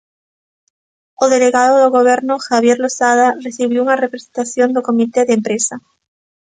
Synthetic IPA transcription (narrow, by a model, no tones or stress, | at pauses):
oðe̞leɣaðoðoɣoβ̞e̞ɾnoxaβ̞je̞ɾlosaðareθiβ̞jounarepɾesent̪aθjo̞nd̪oko̞mit̪eðempɾesa